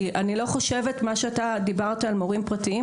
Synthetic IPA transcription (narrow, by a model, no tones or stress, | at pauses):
ʔanilo̞χo̞ʃe̞vetmaʃeatad̪ibaʁt̪aalmoʁimpʁatii